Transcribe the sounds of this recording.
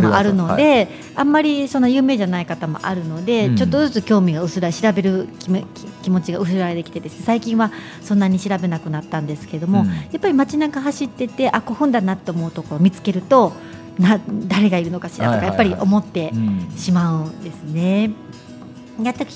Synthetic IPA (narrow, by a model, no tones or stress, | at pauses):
moʔaɾɯ̟no̞d̪e̞ | ãmːaɾʲiso̞nːojɯ̟ːme̞ːʑanaikat̪amo̞̰ʔa̰ɾɯ̟no̞d̪e̞t͡ɕo̞t̪ːo̞zɨt͡sɨkʲo̞ːmʲiɡaɯ̟sɨɾaɕiɾabe̞ɾɯ̟kʲm | kʲimo̞t͡ɕiɡaɯ̟s̬ɨɾaɾe̞t̪e̞kʲi̥t̪e̞d̪e̞sɨ̥ne̞saikʲĩɰ̃βa | sõ̞nːaɲ̟iɕiɾabe̞nakɯ̟nat̪ːãnd̪e̞sɨ̥ke̞ed̪o̞mo̞japːaɾʲimat͡ɕinaɡaɦaɕit̪ːe̞t̪e̞ʔako̞ɸɯ̟̃nd̪anat̪ːe̞omo̞ɯ̟t̪o̞koɾomʲit͡sɨ̥ke̞ɾɯ̟t̪o̞ | nad̪aɾe̞ɡaiɾɯ̟no̞kaɕḭɾa̰t̪okajapːaɾʲiʔo̞mo̞t̪ːe̞ɕimaɯ̟nd̪e̞sɨne̞ | jat̪ːakʲ